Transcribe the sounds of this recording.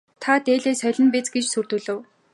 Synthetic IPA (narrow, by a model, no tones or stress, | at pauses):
t̪ʰat̪eːɮeːsœɮʲɪ̆npit͡sɡet͡ɕsurt̪ŭːɮɘ̆w